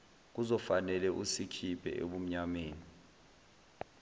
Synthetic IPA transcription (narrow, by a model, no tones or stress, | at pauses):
k̬uzɔfanɛlɛʔusikʰipʰɛ̰ʔḛɓum̩ɲameːni